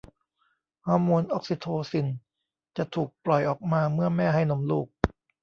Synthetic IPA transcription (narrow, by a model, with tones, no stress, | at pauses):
hɔː˧˩mːuː˧nʔo˦˥˩k̚si˧t̪ʰoː˧si˨˩n | t͡ɕa˨˩t̪ʰuː˨˩k̚plɔ˨˩jʔɔː˨˩k̚maː˧mɯ˥˩ɐmɛː˥˩ɦa˥˩jno˧˦mlṵː˥˩k̚